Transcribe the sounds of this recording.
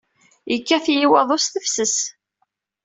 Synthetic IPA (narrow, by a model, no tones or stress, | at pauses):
jəkːæθjiwɑðˤosθəfsəs